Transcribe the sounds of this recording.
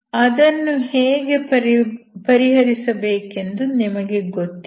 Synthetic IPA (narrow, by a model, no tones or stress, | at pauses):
ɐd̪ɐnːuheːɡe̞ | pɐɾiɦɐɾisɐbeːke̞nd̪unimɐɡe̞ɡot̪ː